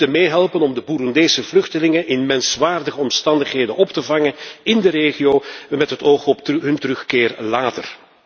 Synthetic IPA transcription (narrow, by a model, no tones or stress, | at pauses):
əmeːɦɛlˠpənɔmdəbuɾʊndeːsəvlɵxtəlɪŋənʔɪnmɛnsʋaːrdəɣəɔmstɑndəχɦeːdənɔptəvɑŋənɪndəɾeːɣijoːmɛtɦətoːχɔpɦɵntəɾɵxkɪːrlaːtə̰r